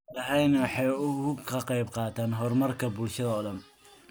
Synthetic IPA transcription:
dɐʕɑjnwɑħɑjʊkʰɐqɑjbqɑːt̪ʰaːnɦɔrmɐrkʰɐbulʃɐðɐːðɐm

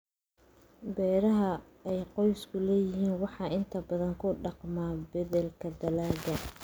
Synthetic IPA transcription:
bɛːɾɐɦɐ | ɛjqɔjskʰʊlɛːjɪɦiːnwɑħɑːʔɪnt̪ʰɐbɐðɐŋkʰʊɖɑqmaːbɐðɛlkʰɐd̪ɐlaːɡɐ

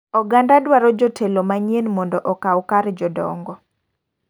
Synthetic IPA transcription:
ɔɡandadwaɾɔd͡ʒɔtʰelomaɲenmɔndɔʔɔkawkaɾd͡ʒɔdɔ̰ŋɡɔ

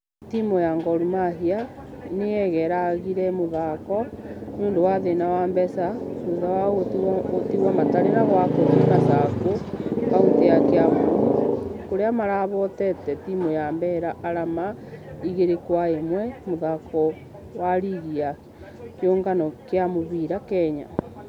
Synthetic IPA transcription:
timojaŋɡɔɾumaɦia | neɛɣɛɾaɣiɾɛmoðakɔnuːndowaðenawaːmbɛsauðawaoɣototiɣwamataɾeɾaɣwakoɾekasakokauteakeaβo | koɾeamaɾaβɔtɛtɛtimojambɛɾaʔaɾamaiɣeɾekwaemwɛmoðakɔ | waɾiɣia | kjoːŋɡanɔkeamoβiɾakɛɲa̰

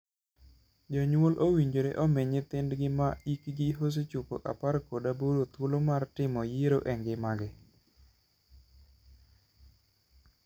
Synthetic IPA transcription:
d͡ʒɔɲwolʔowiɲd͡ʒoɾeʔomeɲet̪ɪndɡɪmaikɡɪɦos̬et͡ʃuko̰ʔa̰parkodaboɾot̪wolomartɪmɔjeɾoʔɛŋɡɪmaɡɪ

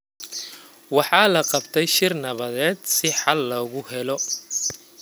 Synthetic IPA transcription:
wɑħɑːlɐqɑbt̪ʰɛjʃɪrnɐβɐðɛːd̪sɪħɑlːɔɣʊhɛlɔ

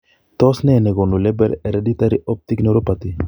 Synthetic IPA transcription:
t̪ɔsnɛnɛɡonulɛbɛɾɛɾɛdit̪aɾiʔɔp̚t̪iknoɾopat̪i

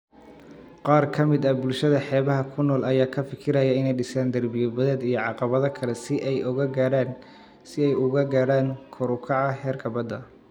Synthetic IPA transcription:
qɑːrkʰɐmɪd̪ɐbʊlʃɐðɐħɛːβɐɦɐkʰʊnɔːlɐjaːkʰɐfɪkʰɪɾɐjɛɪnɛjɖɪsaːnd̪ɐrbɪjɔbɐðɛːd̪ijɞʕɑqɑβɐðɐkʰɐlɛsɪʔɛjʔʊɣɐɡaːɽaːn | sɪɛjʊɣɐɡaːɽaːŋkʰɔɾʊkʰɑʕɑɦɛːrɡʰɐβɐd̪ɐ

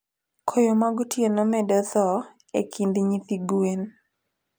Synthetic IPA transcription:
kʰojomaɡɔtjenɔmɛdɔt̪ɔ | ḛkʰind̪ɪɲit̪iɡwen

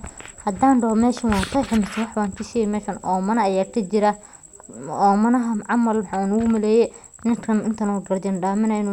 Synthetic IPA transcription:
hɐd̪aːnɖɔmɛːʃɐnwɑːnt̪ʰɐjħɪmɪst̪ʰɐwɑħbaːŋkʰɐsijɛmɛːʃɐnʔɔːmɐnɐɐjaːkʰɐd͡ʒɪɾɐ | ɔːmɐnɐɦɐʕɑmɐlmħanʊɣʊmɐlɛːjɛ | nɪŋkʰɐnɪnt̪ʰɐnɔːɡɐrd̪ɪnɖaːmɪnɐɪnː

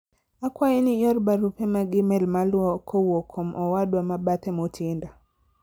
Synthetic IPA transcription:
akwainijɔɾbaɾupɛmaɡɪmɛlmalwɔkʰɔwɔkʰɔmʔɔwadwamabat̪ɛmɔtinda

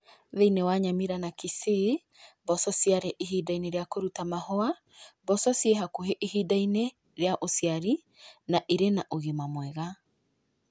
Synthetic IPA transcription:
ðeinewaɲamiɾanakise | bɔsɔsjaɾɛʔiɦidaineɾeakoɾutamahɔa | bɔsɔsieɦakoɦeʔiɦidaine | ɾeaʔosiaɾi | naʔeɾenaʔoɣemamwɛɣa

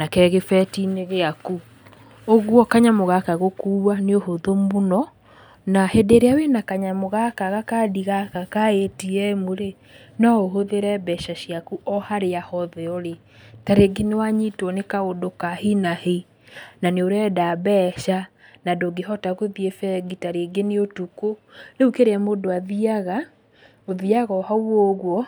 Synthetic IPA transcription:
nakɛɣefɛtineɣeaku | oɣwɔkaɲamoɣakaɣokuːwaneoɦoðomonɔ | nahedeɾeawenakaɲamoɣakaɣakadiɣakakaetiɛmoɾe | nɔoɦoðeɾɛbɛʃaʃiakuʔɔhaɾeahɔðɛɔɾe | taɾeɡenewaɲitɔnekaodokahinahe | naneoɾɛdabɛʃanadoɡeɦɔtaɣoðiefɛɡitaɾeɡeneotukoneukeɾeɛmodoaðiaɣa | oðiaɣɔhawɔɣwɔ

